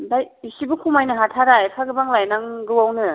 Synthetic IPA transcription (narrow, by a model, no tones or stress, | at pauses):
daj | isibukʰumajnɯɦatʰaɾajpʰaɡɯbaŋlajnaŋɡɯwawnɯ